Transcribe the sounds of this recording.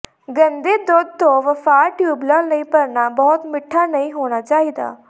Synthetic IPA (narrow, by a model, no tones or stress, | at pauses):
ɡɐ̃nd̪ed̪od̪̚t̪oʋɐfaːɾʈjuːbləlnɐĩpɐɾnabɔːɔt̪mɪʈʰːanɐĩɦoːɽ̃at͡ʃaːɦid̪a̰ː